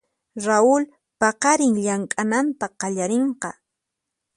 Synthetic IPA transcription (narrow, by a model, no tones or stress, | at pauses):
ɾaʊl | pɑqɑɾɪŋʎaŋkʼanant̪aqɑʎaɾeɴqɑ